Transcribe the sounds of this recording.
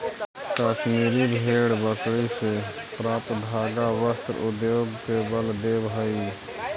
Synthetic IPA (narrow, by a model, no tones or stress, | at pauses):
kaːsmiːɾiːbʱeːɽbəkɽiːseːpɾaːpdʱaːɡaːʋəst̪ɾʊd̪joːɡkeːbəld̪eːbɦaiː